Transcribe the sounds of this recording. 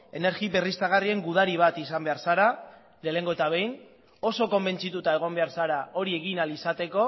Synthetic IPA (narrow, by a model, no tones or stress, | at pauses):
e̞ne̞ɾɣiβerist̪aɣ̞arie̞ŋɡuð̞aɾiβ̞at̪isambe̞aɾsaɾa | le̞le̞ŋɡo̞e̞t̪aβ̞e̞jn | o̞so̞ko̞mbe̞nt͡sit̪ut̪ae̞ɣ̞o̞mbe̞aɾsaɾao̞ɾie̞ɣinalisat̪e̞ko̞